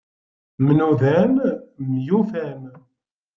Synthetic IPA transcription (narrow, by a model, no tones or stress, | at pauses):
mənuðænmjufæn